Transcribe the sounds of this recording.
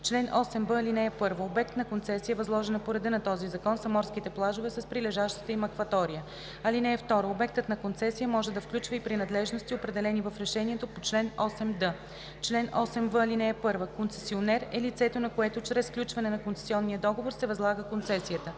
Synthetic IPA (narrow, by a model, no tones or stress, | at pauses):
t͡ʃlɛnʔɔsɛmbəlinɛɛpɤɾvəobɛk̚t̪nɐkont̪sɛsiəvɐzlˠɔʒɛnɐpoɾɛd̪ɤnɐt̪ɔzizɐkɔnsɐmɔɾskit̪ɛplˠaʒovɛsəspɾilɛʒaʃt̪ə̥t̪əimɐkvɐt̪ɔɾijə | ɐlinɛɛft̪ɔɾoobɛk̚t̪ət̪nɐkont̪sɛsijəmɔʒɛd̪ɐfklʲut͡ʃvəipɾinɐd̪lɛʒnost̪iopɾɛd̪ɛlɛnivɐfɾɛʃɛniɛt̪opot͡ʃlɛnɔsɛmd̪ɤ | t͡ʃlɛnɔsɛmvəːlinɛɛpɤɾvəkonsɛ̥sionɛɾɛlit̪sɛt̪onɐkoɛt̪ot͡ʃɾɛsfklʲut͡ʃvɐnɛnɐkont̪sɛ̥siɔnːijəd̪ɔɡovoɾsɛvɐzlˠaɡəkont̪sɛsiət̪ə